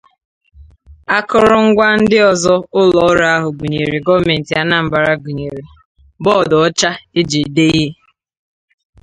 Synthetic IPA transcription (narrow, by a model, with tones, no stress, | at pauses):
a˦kʊ˦ɾʊ˦ŋ̩˦ɡʷa˦n̩˦dɪ˦ɔ˨zɔ˦ʊ˦lɔ˨˦ɾa˦a˦ɦʊ˨ɡu˨ɲe˨ɾe˨ɡɔ˦me˨n̩˨ti˨a˨na˨m̩˨ba˨ɾa˦ɡu˨ɲe˨ɾe˨ | bɔː˦˨dɔ˨ɔ˦t͡ʃa˦e˦d͡ʒe˨de˦i˦e˦